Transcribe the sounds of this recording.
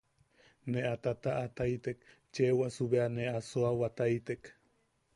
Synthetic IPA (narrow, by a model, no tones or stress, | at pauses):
neʔat̪at̪aʔat̪ajt̪ek | t͡ʃewasuβeaneasoawat̪ajt̪ek